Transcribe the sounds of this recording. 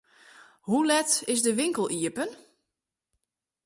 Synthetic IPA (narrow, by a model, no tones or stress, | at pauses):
hulɛtɪsdəʋɪŋkəl̩ˠiəpən